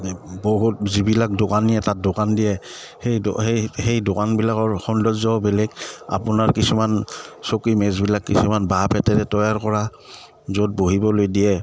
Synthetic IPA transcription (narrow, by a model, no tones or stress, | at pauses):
boɦut̚zibilak̚dokanijɛtat̚dokandiɛ | hejhejhejdokanbilakɔɹxɔndɔzzɔbɛlɛka̰pʊnaɹkisumansokimɛzbilakːisumanbapʰɛtɛɹɛtɔjaɹkɔɹa | zot̚boɦibɔlojdiɛ